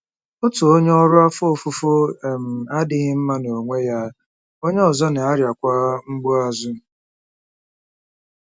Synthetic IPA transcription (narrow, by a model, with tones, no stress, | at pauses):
o˦tu˨o˦ɲe˦ɔ˦ɾʊ˦a˦fo˦˨fu˦fo˦e˨m̩˨a˦dɪ˦ɣɪ˦m̩˦ma˦no˨ŋʷe˦ja˦ | o˦ɲe˦ɔ˨zɔ˦nɪ˨a˦ɾja˨kʷa˦ŋ͡m̩˦ɡ͡bʊ˦a˨zʊ˦˨